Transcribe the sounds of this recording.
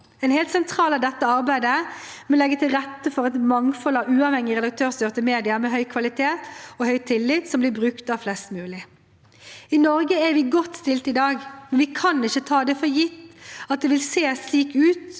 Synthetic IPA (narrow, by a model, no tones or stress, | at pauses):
ɛɪnhɛːlt̪sɛnt̪ʰʁɑːlɑʋd̪ɛt̪ːəɑɾbæɪd̪ə | mɛlɛɡːət̪ʰɪlɾɛt̪ːəfɔɾɛt̪mɑŋfɔlɑʉːɑʋhɛŋːɪʁɛd̪ɑkt̪ʰøːʁst̪ʏːʁt̪əmeːd̪ɪɑmɛɦœʏkʰʋɑlɪt̪ʰeːt̪ɔhœʏt̪ʰɪlːɪt̪sɔmblɪbʁʉkt̪ɑʋflɛst̪mʉːlɪ | ɪnɔɾɡəɛɾʋɪːɡɔt̪ːst̪ɪlt̪ɪd̪ɑːɡmɛnʋɪkʰɑnɪçət̪ʰɑːd̪ɛfɔjɪt̪ːɑt̪̚d̪ɛʋɪlseːsliːkʉːt̪